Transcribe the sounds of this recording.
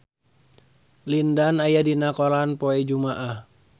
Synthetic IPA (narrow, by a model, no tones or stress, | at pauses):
lindanajadinakɔlanpɔɛd͡ʒumaʔah